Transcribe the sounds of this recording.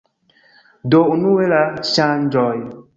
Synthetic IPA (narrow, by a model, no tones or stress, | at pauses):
dounuwelaʃãnd͡ʒɔj